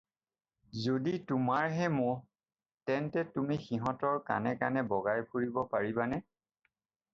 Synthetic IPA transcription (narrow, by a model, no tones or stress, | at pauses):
zoditumaɹɦɛmʊ | tɛntɛtumixiɦɔ̃tɔɹka̰nɛkanɛbɔɡajpʰuɹibɔpaɹibanɛ